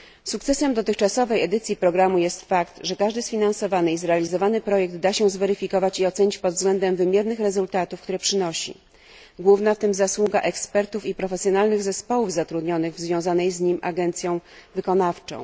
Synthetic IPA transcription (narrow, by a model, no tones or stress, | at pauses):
sukt̪sɛsɛmd̪ɔt̪ɘxt͡ʂasɔvɛjɛd̪ɘt̪sʲjipɾɔɡɾamujɛst̪fakt̪ʐɛkaʐd̪ɘsfʲinansɔvanɘizɾɛalʲizɔvanɘpɾɔjɛɡ̚d̪d̪aɕɛ̃zvɛɾɘfʲikɔvat͡ɕiɔt̪sɛɲit͡ɕpɔd̪vzɡlɛnd̪ɛmvɘmʲjɛɾnɘxɾɛzult̪at̪ufkt̪uɾɛpʂɘnɔɕḭ | ɡwuvnaft̪ɘmzaswuɡaʔɛkspɛɾt̪ufipɾɔfɛsʲjɔnalnɘɣzɛspɔwuvzat̪ɾud̪ɲɔnɘɣvzvʲjɔ̃w̃zanɛjzɲimʔa̰ɡɛnt̪sʲjɔ̃w̃vɘkɔnaft͡ʂɔ̰̃w̃